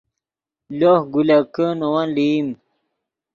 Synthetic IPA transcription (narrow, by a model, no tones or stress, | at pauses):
lohɡulakənowanlim